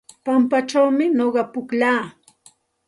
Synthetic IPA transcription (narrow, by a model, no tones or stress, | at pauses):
pampat͡ʃawmɪnoɢɑpʊklaː